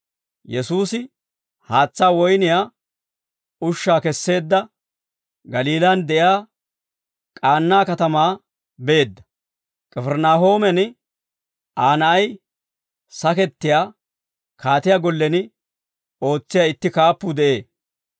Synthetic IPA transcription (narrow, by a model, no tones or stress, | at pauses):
jɛsuːsɪ | haːt͡sːaːwɔjnɪjaː | ʊʃːaːkɛsːe̞ːd̪ːɐ | ɡɐliːlɐnd̪ɛʔjaː | kʼaːnːaːkɐt̪ɐmaː | be̞ːd̪ːɐ̥ | kʼɛfɛɾnaːɦo̞ːmɛnɪ | ʔaːnɐʔɐj | sɐkɛt̪ːɪjaː | kaːt̪ɪjaːɡɔlːɛnɪ | o̞ːt͡sːɪjaːɪt̪ːɪkaːpːʊd̪ɛʔe̞ː